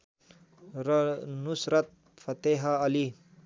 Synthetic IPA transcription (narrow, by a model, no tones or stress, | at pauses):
ɾnusɾʌt̪̚ | fʰɐt̪eɦɐːli